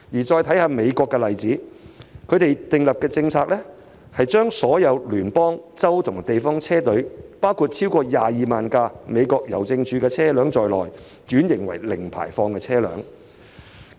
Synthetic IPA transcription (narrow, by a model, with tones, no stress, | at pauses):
jiː˨˩t͡ʃɔː˧jt̪ʰɐ˨˥jhaː˧˥me˨˧jkɔː˧kːɛ˧lɐ˨jt͡siː˨˥kʰɵ˨˧ɥt̪e˨jt̪ɪ˨ŋlɐ˨p̚kɛː˧t͡sɪ˧ŋt͡sʰaː˧k̚lɛ˥ | hɐ˨jt͡ʃœː˥ŋsɔː˨˥jɐ˨˧wlyː˨˩npɔː˥ŋt͡sɐ˥wt̪ʰʊ˨˩ŋt̪e˨jfɔː˥ŋt͡sʰɛː˥t̪ɵ˨˥ɥpaː˥wkʰu˧t̚t͡sʰiː˥wkɔː˧jaː˨jiː˨maː˨nkaː˧me˨˧jkɔː˧k̚jɐ̰˨˩wt͡sɪ˧ŋt͡ʃʰyː˨˧kɛː˧t͡sʰɛː˥lœː˨˥ŋt͡sɔː˨jlɔ̰ː˨˩j | t͡ʃyː˨˥njɪ˨˩ŋwɐ̰˨˩jlɪ˨˩ŋpʰa̰ː˨˩jfɔː˧ŋkɛː˧t͡sʰɛː˥lœ̰ː˨˥ŋ